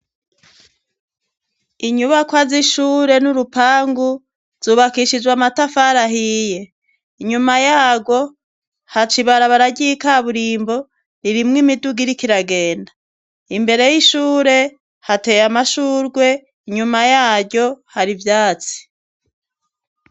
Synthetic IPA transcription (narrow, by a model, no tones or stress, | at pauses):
iɲuβakwaziʃuːɾe̞nuɾupaːŋɡu | z̥uːβakiʃid͡ʒwamatafaɾaɦije̞ | iɲumajaːɡwo̞ | hat͡ʃiβaɾaβaɾaɟikaβuɾiːmbo̞ | ɾiɾimŋimiduɡiɾikiɾaɡe̞ːnda | imbe̞ɾe̞jiʃuːɾe̞ | hate̞jamaʃuːɾɡwe̞ | iɲumajaːɟo̞haɾivjaːt͡si̥